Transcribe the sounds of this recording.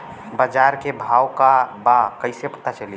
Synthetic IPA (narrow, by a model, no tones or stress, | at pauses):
bəd͡ʒaɾkebʱawkabakəɪsepət̪at͡ʃəli